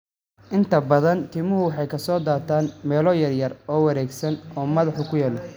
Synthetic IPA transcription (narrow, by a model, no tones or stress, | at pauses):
ʔɪnt̪ʰɐbɐðɐnt̪ʰɪːmʊɦʊwɑħɑjkʰɐsɔːd̪aːt̪ʰaːnmɛːlɔːjɐrjɐrɔːwɐɾɛːɡsɐnɔːmɐðɑħʊkʰʊjaːlɔ